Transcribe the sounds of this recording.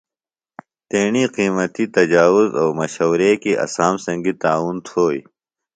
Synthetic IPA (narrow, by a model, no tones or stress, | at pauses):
t̪eːɳiqiːmɐt̪it̪ɐd͡ʑaːwʊzoːmɐɕoːɾeːkiʔɐ̰saːmsɐ̃ŋɡit̪aːuːnt̪ʰoːḭ